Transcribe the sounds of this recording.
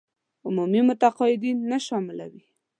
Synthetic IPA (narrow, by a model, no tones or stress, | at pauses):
ʊmumimʊt̪aqɑɪd̪inːaʃɑmɪla̰wi